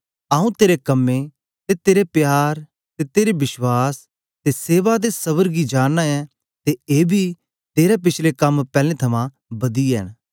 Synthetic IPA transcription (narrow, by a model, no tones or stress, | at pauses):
aːũt̪eːɾekɐmːe | t̪et̪eːɾepjaːɾ | t̪et̪eːɾebɪʃwaːs | t̪eseːʋad̪esɐβəɾɡid͡ʒaːnːaɛ | t̪eeːbʱi | t̪eːɾap̬ɪt͡ʃʰlekɐmpɛːlẽt̪ʰɐmã | bɐd̪iɛñ